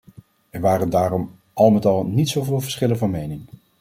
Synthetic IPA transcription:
ɛɹʋaːɾəndaːɾɔm | ʔɑlˠmɛtɑlˠnitsowvɪːlˠvəɹsχɪlənvɑnmejnɪŋ

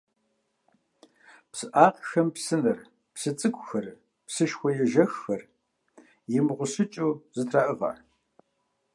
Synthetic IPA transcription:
psɨʔaːqxɐmpsɨnɨr | psɨt͡sʼɨkʷʰʼʊxɐr | psɨʃxʷɔjɛʒɐxːɐr | jɪmʁʷʊsɨt͡ʃʼuːzɨtʰraːʔɨʁɐ̰

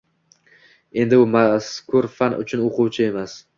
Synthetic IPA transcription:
e̞nd̪ɪʊmaskʰʊɾfanʔʊ̰t͡ʃʰʊnoqʰʊwt͡ʃʰɪe̞mas

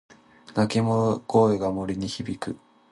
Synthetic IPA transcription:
nakʲimoko̞ːeɡamo̞ɾʲiɲ̟içibʲikɯ̟

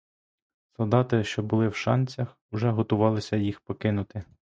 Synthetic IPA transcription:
sɔlˠd̪ɑt̪ɪʃt͡ʃɔbʊlˠɪwʃɑnʲt͡ssʲɐx | ʊʒɛɦɔt̪ʊʋɑlˠɪsʲɐjixpɔkɪnʊt̪ɪ

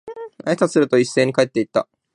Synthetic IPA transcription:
aesasɨɾɯ̟t̪o̞isːe̞ːɲ̟ikaet̪ːe̞it̪ːa̰

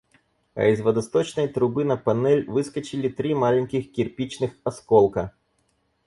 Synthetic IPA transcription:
ɐ̰izʋɐd̪ɐst̪ɔt͡ʃnɐjt̪ɾʊbɨnɐpɐnɛlʲʋɨskɐt͡ʃɪlʲit̪ɾimalʲɪnʲkʲixkʲirpʲit͡ʃnɨxɐskɔlˠkɐ

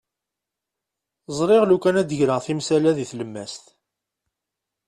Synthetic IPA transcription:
zˤɾˤɪʁlukːænæd̪əʝɾəθimsælæðiθləmːæst̪

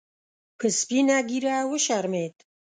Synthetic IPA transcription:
pʰɨspinaɡiɾawəʃaɾmet̪ʼ

